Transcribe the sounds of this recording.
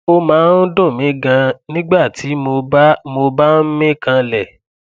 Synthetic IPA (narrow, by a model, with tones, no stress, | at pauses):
o˦mãː˨˦n̩˦dõ˦˨mĩ˨˦ɡã˧nĩ˦ɡ͡ba˦˨ti˨˦mo˧bmo˧ba˦n̩˦mĩ˦kã˧lɛ˨